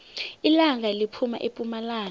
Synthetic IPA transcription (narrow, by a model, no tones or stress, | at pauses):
ilaŋalipʰuma̰ʔepʼumalaːn